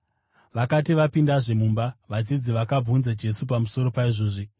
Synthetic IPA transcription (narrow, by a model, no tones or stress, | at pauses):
ʋakatiʋapindaʐe̞mumbaʋad͡zid͡ziʋakab͡vunzad͡ʒe̞supamuso̞ɾo̞paiʐoːʐi